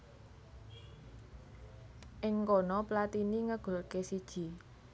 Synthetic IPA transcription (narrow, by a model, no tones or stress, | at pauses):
ʔɪŋkɔnɔplat̪iniŋəɡ̥o̤lkesid̥ʒ̥i̤